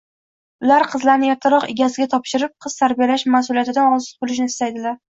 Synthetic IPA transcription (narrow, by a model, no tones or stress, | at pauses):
ʊlaɾqʰɨzlaɾnɪjɒt̪ʰaɾɒqɪɡʲasɪɡʲat̪ʰɒpʃɪɾɪp̚qʰɨz̥t̪ʰaɾbijalaʃmasʊlijat̪ɪd̪anɒzɨt̪̚bolˠɪʃ̬nɪɪst̪ajd̪ɪlaɾ